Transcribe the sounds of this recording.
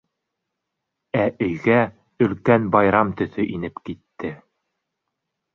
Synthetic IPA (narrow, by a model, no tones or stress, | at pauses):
æʔɵ̆jɡæ | ɵ̆lkænbɑjɾɑmt̪ɵ̆θɵʔinɘpkit̪ːɘ